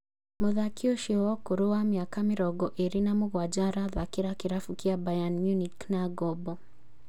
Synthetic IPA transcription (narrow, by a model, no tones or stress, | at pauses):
moðakioʃwɔkoɾowamiakameɾɔɡɔʔeɾinamoɣwad͡ʒaɾaðakiɾakiɾafukiabajanmjuniknaɡɔbɔ